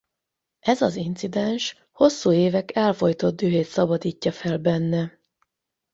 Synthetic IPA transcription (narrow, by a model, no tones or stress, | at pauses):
ʔɛzɒzint̪sid̪ɛnʃ | ho̞sːuːeːvɛkɛlfo̞jt̪o̞d̪̚d̪øːɦeːt̪sɒbɒd̪iːcːɒfɛlbɛnːɛ